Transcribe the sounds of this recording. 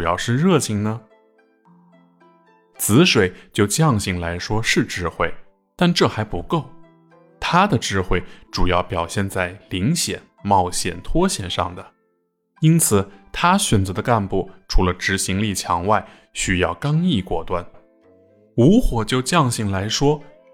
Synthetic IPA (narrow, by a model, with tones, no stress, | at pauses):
ʈ͡ʂu˨˩jɑ˥˧ʊʂɻ̩˥˧ɻɤ˥˧˩t͡ɕʰi˧˩ŋnə˩ | t͡sʰɹ̩˧˥ʂwe˨˩ɪt͡ɕjo˥˧ʊt͡ɕjɑ˥˧ŋɕi˥˩ŋla˧˥ɪʂwɔ˥ʂɻ̩˥˧ʈ͡ʂɻ̩˥˧xwe˥˩ɪ | t̪a˥˧nʈ͡ʂɤ˥˩xa˧˥ɪpu˧˥ko˥˩ʊ | t̪ʰa˥d̪ə˨ʈ͡ʂɻ̩˥˧xwe˥˩ɪʈ͡ʂu˨˩jɑ˥˩ʊpjɑ˨˩ʊɕjɛ˥˧nt͡sa˥˩ɪli˧˥ŋɕjɛ̰˨˩nmɑ˥˩ʊɕjɛ̰˨˩nt̪ʰwɔ˥ɕjɛ̰˨˩nʂɑ̰˥˩ŋd̪ə˩ | i˥nt͡sʰɹ̩˨˩t̪ʰa˥ɕɥɛ˨˩nt͡sɤ˧˥ə˧ka˥˧npu˥˩ʈ͡ʂʰu˧˥lə˧ʈ͡ʂɻ̩˧˥ɕi˧˥ŋli˥˩t͡ɕʰjɑ˧˥ŋwa˥˩ɪ | ɕy˥jɑ˥˩ʊkɑ˥ŋi˥˩kwɔ˥˩t̪wa˥˩n | u˧˥xwɔ˨˩t͡ɕjo˥˧ʊt͡ɕjɑ˥˧ŋɕi˥˩ŋla˧˥ɪʂwɔ˥